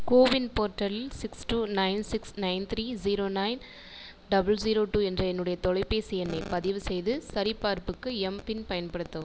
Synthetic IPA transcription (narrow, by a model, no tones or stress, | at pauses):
koːʋɪnpoːɾʈːɐlsɪksʈuːnɐɪnsɪksnɐɪnt̪ʰɾiːziːɾoːnɐɪn | ɖɐbɐld͡ʒiːɾoːʈuːɛndrɐɛnːɯɽɐjɐt̪ɔɻɐɪpːeːsɪjɐnːɐɪpɐðɪʋɯsɛjðɯsɐɾɪpːaːɾpɯkːɯɛmpɪnpɐjɐnpɐɽɯt̪ːɐ